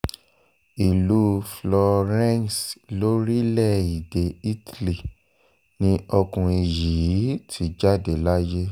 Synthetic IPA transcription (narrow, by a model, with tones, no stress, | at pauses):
i˨lu˨˦flɔ˧ɾɛ̃˦n˨slo˦ɾi˦lɛ˦˨i˨de˨i˦tli˨ | nĩ˧˦ɔ˧kũ˨i˨ji˨˦tʰi˨˦d͡ʒa˦de˨la˦je˦